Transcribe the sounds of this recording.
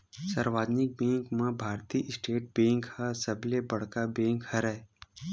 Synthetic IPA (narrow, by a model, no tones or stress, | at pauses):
səɾʋaːd̪nɪk̚bẽːŋkmãbʱaːɾt̪iʔɪsʈeːʈ̚bẽːŋkhasəblebəɽ̤kabẽːŋkhɐɾɛː